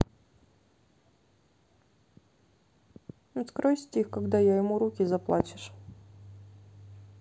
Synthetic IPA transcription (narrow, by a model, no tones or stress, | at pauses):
nskɾojsʲtʲixkɐɡd̪ajajɪmuɾukʲɪzɐplˠa̰t͡ɕɪ̥ʂ